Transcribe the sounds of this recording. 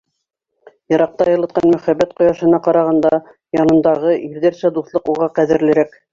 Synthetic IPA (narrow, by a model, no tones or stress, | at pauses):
jɤ̆ɾɑq̚t̪ɑjɤ̆lˠɤ̆t̪̚qɑnmɵ̆χæbːæt̪̚qŏjɑʃɤ̆nɑqɑɾɑʁɑnd̪ɑ | jɑnɤ̆nd̪ɑʁɤʔiɾðæɾsæd̪uθlˠɤquʁɑqæðɘ̆ɾlɘ̆ɾæk